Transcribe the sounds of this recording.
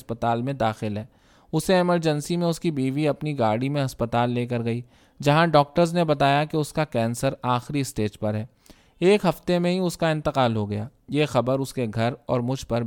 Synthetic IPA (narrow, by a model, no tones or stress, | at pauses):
spət̪aːlmẽd̪aːxɪlɦɛː | ʊseɪməɾd͡ʒɛnsimẽʊskibiːʋiɐpniɡaːɽimẽɦɐspət̪aːlːeːk̬ɐɾɡɐiː | d͡ʒɐɦãɖɔːk̚ʈəɾznebɐt̪aːjakeʊskakɛːnsəɾaːxɾiɪsʈeːd͡ʒpɐɾɦɛː | eːkɦɐft̪emẽɦiʊskaɪ̃nt̪ɪqaːlɦoɡɐjaːjeːxɐbəɾʊskeɡʱɐɾɔːɾmʊd͡ʒʱpɐɾ